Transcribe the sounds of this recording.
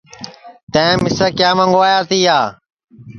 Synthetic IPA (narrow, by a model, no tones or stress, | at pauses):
t̪ə̃ẽːmɪsəkjaːmə̃ŋɡoaːjaːt̪ʰiːɦaː